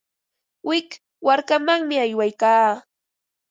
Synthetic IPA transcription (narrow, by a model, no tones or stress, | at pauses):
wɪk | waɾkamaŋmɪajwajkaː